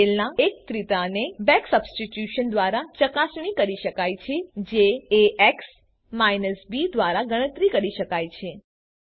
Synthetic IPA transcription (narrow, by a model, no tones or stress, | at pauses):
elnaek̚t̪ɾit̪anebɛ̃ksəbsʈiʈjuʃənd̪ʋaɾat͡ʃəkasɳ̃ikəɾiʃəkajt͡ʃʰed͡ʒeːeks | majnəsbid̪ʋaɾaɡəɽ̃ət̪ɾikəɾiʃəkajt͡ʃʰe